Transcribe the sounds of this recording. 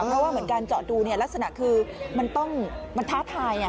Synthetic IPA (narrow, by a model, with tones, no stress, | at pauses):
pʰɾɔ˦˥waː˥˩mɯ˩˦ənkaː˧nt͡ɕɔː˨˩t̪̚duː˧ni˥˩ɐla˦˥k̚sa˧na˨˩kʰɯː˧ma˧nt̪ɔ˥˩ŋma˧nt̪ʰaː˥˩t̪ʰaː˧ja˩